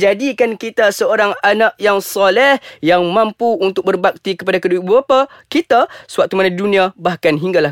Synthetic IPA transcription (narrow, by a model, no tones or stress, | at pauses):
d͡ʒadikankit̪asəoɾaŋanakʔjaŋsɔlɛhjaŋmãmpuunt̪ʊk̚bərbak̚t̪ikəpadakəduibəbapakit̪asəwak̚t̪umanadidunĩabahkanɦiŋɡala